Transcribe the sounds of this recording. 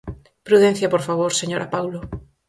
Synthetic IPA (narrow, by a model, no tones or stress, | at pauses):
pɾuðenθjapoɾfaβ̞oɾseɲoɾʔapawlo